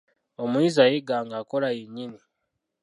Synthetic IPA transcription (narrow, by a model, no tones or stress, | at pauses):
omwiːzajeɡaːŋɡako̞ɾajeɲini